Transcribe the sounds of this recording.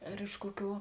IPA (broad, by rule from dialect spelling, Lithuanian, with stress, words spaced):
ɐr ˈɪʃ kuɔˌkʲuː